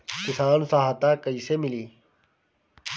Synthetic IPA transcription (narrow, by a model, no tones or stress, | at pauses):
kɪsaːnsãːɦɐt̪aːkəiːseːmɪliː